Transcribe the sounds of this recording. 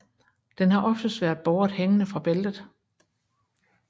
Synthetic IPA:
d̥enɦɑ̈ʔɒ̽fd̥əsʋæɐ̰d̥̚b̥ɒːd̥heŋnəfʁɑ̈b̥eld̥ð̩ˠ

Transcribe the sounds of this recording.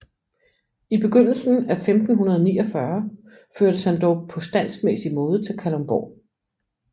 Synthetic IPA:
ib̥e̝ɡ̥øn̰l̩sn̩æfemd̥n̩ɦunɐð̞ˠɒnḭːɒfɶɐ | føɐ̰ɾ̥əshænd̥ɒʊpʰɒ̽sd̥æn̰smesimɔ̽ːð̞ˠət͡sʰe̝lkʰælomb̥ɒ̰

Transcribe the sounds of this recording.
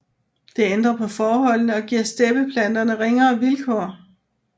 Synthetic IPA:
d̥e̝end̥ʁɐpʰɒ̽fɒːɦɒ̽l̰nəɒ̽ɡ̥iɐ̰sd̥eb̥əpʰlæn̰d̥ɐnəʁeŋɐ̽ːʋilkʰɒ̰ː

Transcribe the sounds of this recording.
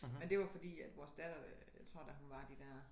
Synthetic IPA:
mend̥e̝ʋɑ̈fɒ̽d̥ḭːæd̥ʋɒːsd̥æd̥ɐ | jat͡sʰʁo̝ɐ̰d̥æɦunʋɑ̈d̥id̥æɐ̰

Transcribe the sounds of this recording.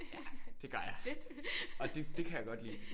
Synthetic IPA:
jæd̥e̝ɡ̥ɐɐjɑɪ | ɒ̽d̥e̝d̥e̝kʰæjäɪɡɒ̽d̥lḭː

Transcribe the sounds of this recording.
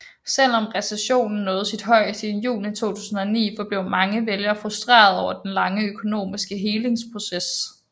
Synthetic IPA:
sel̰ɒ̽mʁɛseɕo̝̰ːnn̩ːɔ̽ːð̞̩ˠsid̥ɦɒ̽ɪ̰siːðˠn̩jṵːlit͡sʰo̝̰ːt͡sʰu̥̰ːsn̩ɒ̽nḭːfɒ̽b̥le̝ʊ̰mɑ̈ŋəʋeljɐfʁusd̥ʁḛːɐð̞ˠɒʊɐd̥enlɑ̈ŋəøkʰo̝no̝̰ːmisɡ̥əɦe̝ːle̝ŋspʰʁo̝ses

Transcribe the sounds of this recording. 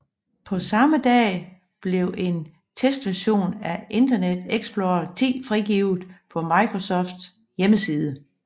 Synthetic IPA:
pʰɒ̽sɑ̈məd̥ɛ̰ː | b̥le̝ʊʔe̝n | t͡sʰesd̥ʋæɐɕo̝̰ːnæe̝nd̥ɐned̥eɡ̥sb̥lo̝ɐt͡sʰḭːfʁiɡ̥iːʊð̩ˠpʰɒ̽mɑ̈ɪkʰʁosɒ̽fd̥s | jeməsiːðˠə

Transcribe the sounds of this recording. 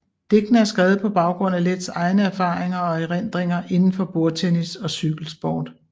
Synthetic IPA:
d̥e̝ɡ̥n̩æɐsɡ̥ʁɛːð̩ˠpʰɒ̽b̥ɑ̈ʊɡ̥ʁɔ̽n̰æled̥sɑ̈ɪnəæɐfɑ̈ːʁeŋɐɒ̽eʁen̰d̥ʁeŋɐʔe̝nn̩fɒ̽b̥o̝ɐt͡sʰenisɒ̽syɡ̥l̩sb̥ɒ̰ːd̥

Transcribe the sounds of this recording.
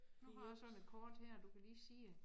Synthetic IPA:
nuhɑjɑsɒ̽ned̥̚kʰɒːd̥heɐ̰ɒd̥ukʰæliːsiː

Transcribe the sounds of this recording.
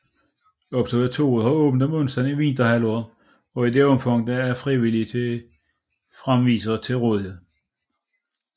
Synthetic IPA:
ɒ̽b̥sɐʋe̝ɐt͡sʰo̝̰ːð̩ˠhɑ̈ɔ̽ːb̥n̩d̥ɒmɔ̽nsd̥æniʋind̥ɐɦælɔːðˠ | ɒ̽id̥e̝ɒ̽mfɑŋ̰d̥ææɐfʁiʋilit͡sʰe | fʁamʋḭːsɐːt͡sʰe̝lʁoːðˠihe̝ð̰ˠ

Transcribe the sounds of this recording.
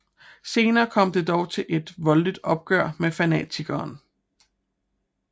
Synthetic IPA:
se̝ːnɐːkʰɒ̽m̰d̥e̝d̥ɒʊt͡sʰe̝lʔe̝d̥ʋɒ̽ldid̥ɒ̽b̥̚ɡ̥ɶɐ̰mefænɛ̰ːt͡sʰiɡ̥ɐːn

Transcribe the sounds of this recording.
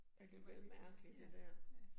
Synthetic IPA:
æd̥e̝ʋelmæɐɡ̥lid̥ed̥æɐ̰

